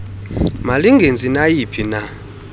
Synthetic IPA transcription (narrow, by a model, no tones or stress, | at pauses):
maliŋɡʱend͡zʱinajipʰina